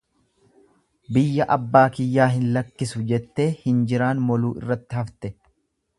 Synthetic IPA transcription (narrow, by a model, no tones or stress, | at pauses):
bɪjːɐʔɐbːaːkɪjːaːɦɪnlɐkːɪsʊd͡ʒɛt̪ːe̞ːhɪnd͡ʒɪɾaːnmɔluːɪ̰rːɐt̪ːɪhɐft̪ɛ